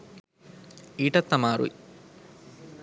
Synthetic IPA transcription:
iːʈɐt̪ːɐmaːɾṵj

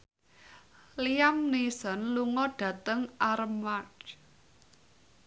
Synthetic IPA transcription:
liamnisɔnluŋɔɖ̥ä̤t̪əŋʔaɾmaɖ

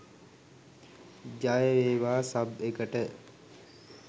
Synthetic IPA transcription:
d͡ʒajəɾeːʋaːsabekəʈə

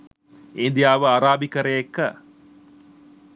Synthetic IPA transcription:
eːnd̪ijaːʋəaɾaːbikɐɾejekːɐ

